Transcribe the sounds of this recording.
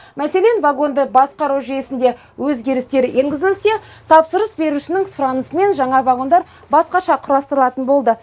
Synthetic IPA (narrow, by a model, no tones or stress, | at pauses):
mæse̞le̞nvaɡo̞nd̪əbɑsqɑɾuwʒijesɪnd̪e̞ | wɵzɡʲe̞ɾɪst̪e̞ɾjeŋɡʲɪzɪlse̞t̪ʰɑpsəɾəsbe̞ɾuʃɪnɪŋsʊɾɑnəsəme̞nʒɑɴɑvaɡo̞nd̪ɑɾ | bɑsqɑʃɑqʰʊɾɑst̪əɾəlˠɑt̪ənbo̞lˠd̪ə